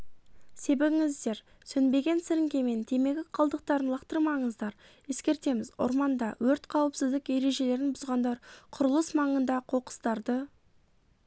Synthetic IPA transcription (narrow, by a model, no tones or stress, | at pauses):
se̞bebɪŋɪzd̪e̞ɾ | sɵnbe̞ɡʲe̞nsɪɾɪŋɡʲe̞me̞nt̪ʰe̞me̞ɡʲɪqʰɑlˠd̪əq̚t̪ɑɾənlˠɑqt̪əɾmɑɴəzd̪ɑɾ | je̞skʲe̞ɾt̪e̞mɪzʊ̰ɾmɑnd̪ɑwɵɾt̪qʰɑwəpsɪzd̪ɪkje̞ɾe̞ʒe̞le̞ɾɪnbʊzʁɑnd̪ɑɾqʰʊɾəlˠəsmɑɴənd̪ɑqʰo̞qə̥st̪ɑɾd̪ə